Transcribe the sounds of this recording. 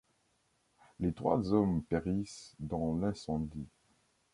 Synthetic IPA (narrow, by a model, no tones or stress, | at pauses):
let̪χwa̰zɔmpeʁisd̪ɑ̃lɛ̃sɑ̃d̪i